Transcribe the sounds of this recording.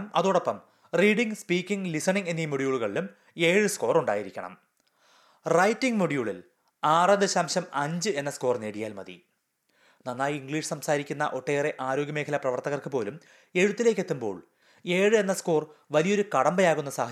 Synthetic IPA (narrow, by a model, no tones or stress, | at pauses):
mɐðoːɽopːɐm | riːɽiŋspiːkʲːiŋɡlisɐɳiŋɡe̞nːimuɽjuːɭuɣɐɭilum | e̞ːɻɨsko̞ːruɳɖa̰ːjiɾikʲːɐɳɐ̰m | rɐjtːiŋɡmuɽijuːɭil | aːrɐnɨɕɐmɕɐmɐɲd͡ʑɨe̞nːɐsko̞ːrneːɽijaːlmɐ̰ðḭ | nɐnːaːjiŋɡɭiːʂsɐmsaːɾikʲːunːɐʔo̞ʈːeːreʔaːɾo̞ːɡjɐme̞ːkʰɐlɐprɐʋɐrt̪ɐɣɐrkɨpo̞ːlum | e̞ɻut̪ːile̞ːk̬ʲːe̞t̪ːumbo̞̰ːɭ | e̞ːɻɨe̞nːɐsko̞ːrʋɐlijo̞ɾukɐɽɐmbɐjaːɣunːɐsaːɦɐ